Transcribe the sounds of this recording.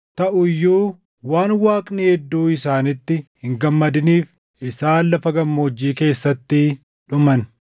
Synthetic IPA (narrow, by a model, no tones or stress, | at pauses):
t̪ɐʔʊjːuː | waːnwaːkʼnihɛd̪ːuːɪsaːnɪt̪ːɪhɪŋɡɐmːɐd̪ɪniːf | ʔɪsaːlːɐfɐɡɐmːo̞ːd͡ʒːiːke̞ːsːɐt̪ːɪ | ᶑʊmɐn